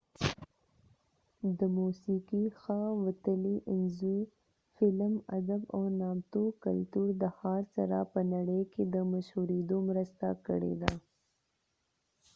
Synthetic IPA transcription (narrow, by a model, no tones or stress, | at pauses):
d̪əmusikixawət̪əliʔɪnzu | fɪlma̰d̪abawnɑmt̪ukalt̪uɾd̪əxɑːɾsaɾapənaɽəjked̪əmaʃhuɾed̪omɾəst̪a̰kə̰ɽḛd̪a